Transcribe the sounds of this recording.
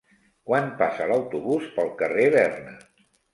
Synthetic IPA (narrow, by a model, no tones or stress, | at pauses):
kwanpasələwt̪uβuspəlˠkəreβɛrnə